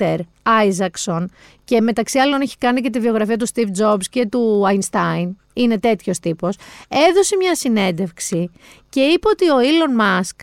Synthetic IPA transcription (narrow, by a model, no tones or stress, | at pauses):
eɾ | ɐjzɐkso̞n | ce̞me̞t̪ɐksiɐlo̞neçi̥kɐnicet̪ivio̞ɣɾɐfiɐt̪ust̪ifd͡zo̞bsce̞t̪uɐjnst̪ɐin | ine̞t̪e̞t̪ço̞st̪ipo̞se̞ðo̞se̞mɲɐsine̞nd̪e̞fksi | ce̞ipeo̞t̪io̞ilo̞nmɐsk